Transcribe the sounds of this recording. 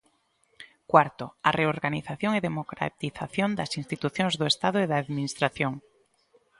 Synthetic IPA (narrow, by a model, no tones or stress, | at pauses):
kwaɾt̪oareoɾɣaniθaθjoŋeðemokɾa̰t̪iθaθjond̪ɐsĩnst̪it̪uθjoŋzðʊest̪aðʊeðaːðminist̪ɾaθjoŋ